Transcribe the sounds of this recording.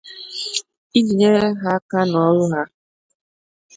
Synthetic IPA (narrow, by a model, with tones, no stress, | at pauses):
i˦d͡ʒi˨ɲe˦ɾe˦ɦa˦ka˦n˨ɔ˦ɾʊ˦ɦa˦